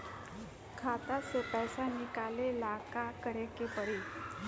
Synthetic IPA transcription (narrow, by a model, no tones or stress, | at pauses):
kʰat̪asopajsanikalelakakəɾekepəɾi